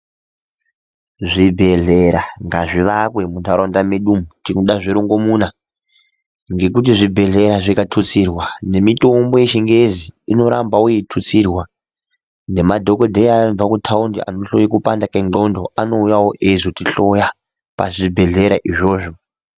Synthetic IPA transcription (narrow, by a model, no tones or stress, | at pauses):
ʐibʱe̞ɮeɾaŋɡaʐiʋakwe̞mundaɾondameɗumutinoɗaʐiɾoŋɡo̞muna | ŋɡe̞k̬ut̬iʐibʱe̞ɮe̞ɾaʐikatʰut͡sirwane̞mito̞mbo̞jeʃiŋɡeziino̞ɾambaujitʰut͡sirwa | ne̞madʱokodʱeab͡vakutʰaundia̰noɬo̰jikupandakeŋ͡ǃo̞ndoano̞ujawoʔezotiɬo̞ja | pa̰ʐibʱe̞ɮe̞ɾa̰ʔiʐo̞ːʐo